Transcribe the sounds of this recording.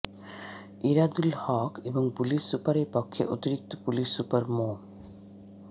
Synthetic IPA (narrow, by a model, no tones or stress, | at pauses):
iɾad̪ulhɔːkebɔŋpulisupaɾeɾpɔkʰːjḛʔot̪iɾik̚t̪opulisupɐɾmo